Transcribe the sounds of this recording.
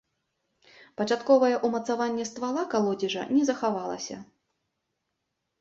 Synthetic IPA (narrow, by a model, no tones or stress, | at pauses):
pɐt͡ʂat̪kɔvɐjɛʔumɐt̪savanʲːɛst̪valˠakalˠɔd͡zʲiʐɐ̰nʲɛzɐxavalˠɐ̰sʲɐ̰